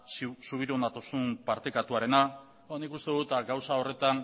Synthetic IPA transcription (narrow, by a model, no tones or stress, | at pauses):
suβ̞iɾuond̪at̪o̞sumpaɾt̪ekat̪uaɾe̞na | nikust̪e̞ðut̪aɡawsao̞re̞t̪an